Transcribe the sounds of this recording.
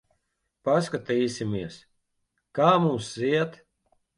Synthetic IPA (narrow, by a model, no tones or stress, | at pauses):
paskat̪iːsʲimiɛs | kaːmuːmsziɛt̪